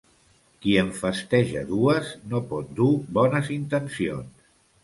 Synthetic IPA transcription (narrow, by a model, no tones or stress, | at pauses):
kiəɱfəst̪ɛʒə̰ðuəznopɔt̪̚d̪ubɔnəzint̪ənsio̰ns